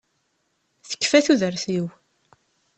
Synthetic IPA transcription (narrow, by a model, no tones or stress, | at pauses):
θə̥kːfæθuðəɾθiw